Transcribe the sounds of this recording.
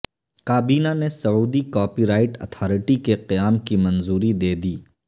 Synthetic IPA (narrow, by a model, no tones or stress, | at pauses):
kaːbiːnanesɐuːd̪ikɔːpiːɾaːɪʈɐ̰t̪ʰɔːɾɪʈikeqɐjaːmkimɐ̃nzuːɾid̪eːd̪iː